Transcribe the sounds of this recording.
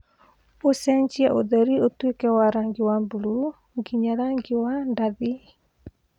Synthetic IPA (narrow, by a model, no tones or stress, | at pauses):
osɛɲd͡ʒiaʔoðɛɾiotwekɛwaɾaŋɡiwambulu | ŋɡiɲaɾaŋɡɪwandaði